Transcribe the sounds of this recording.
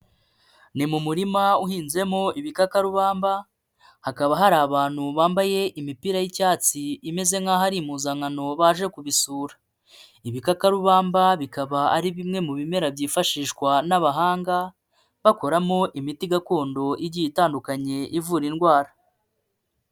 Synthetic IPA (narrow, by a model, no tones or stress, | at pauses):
nimumuɾimauɦiːnzie̞mo̞ʔiβikakaɾuβaːmba | hakaβaɦaɾaːβaːn̥huβaːmbaje̞ʔimipiɾajicaːt͡siime̞ze̞ŋhaːɦaɾimuːzaŋano̞βaːʒe̞kuβisuːɾḁ | iβikakaɾuβaːmbaβikaβaaɾiβimŋe̞muβime̞ɾabɟiːfaʃiːʃkwanaβaɦaːŋɡa | βakoɾamo̞ʔimitiɡako̞ːndo̞ʔiɾɟijitaːndukaɲe̞ʔivuɾinɡwaːɾa